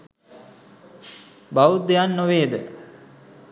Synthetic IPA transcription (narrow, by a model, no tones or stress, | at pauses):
bauejanːoʋeːd̪ə̰